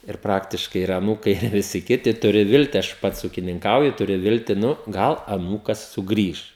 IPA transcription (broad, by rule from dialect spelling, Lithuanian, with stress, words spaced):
ɪr ˈprɑːktʲɪʃkɐɪ ɪr ɐˈnuːkɐɪ ɪr ʋʲɪˈsʲɪ ˈkʲɪtʲɪ ˈtʊrʲɪ ˈʋʲɪlʲtʲɪ ˈɐʃ ˈpɐts ʊkʲɪnʲɪŋˈkɐʊjʊ tʊˈrʲʊ ˈʋʲɪlʲtʲɪ ˈnʊ ˈɡɐlˠ ɐˈnuːkɐs sʊˈɡrʲiːʃ